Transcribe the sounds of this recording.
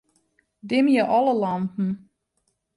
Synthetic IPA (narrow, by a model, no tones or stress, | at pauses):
dɪmjəʔɔləlɑntn̩